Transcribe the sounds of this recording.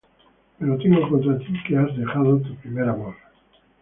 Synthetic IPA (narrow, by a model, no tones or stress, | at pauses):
peɾot̪eŋɡokont̪̬ɾat̪ikeazðe̞xað̞ot̪upɾimeɾamoɾ